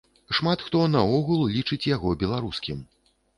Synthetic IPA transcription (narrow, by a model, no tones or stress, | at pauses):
ʂmat̪xt̪ɔnɐɔɣulˠlʲit͡ʂɨt͡sʲjaɣɔbʲɛlˠaɾuskʲim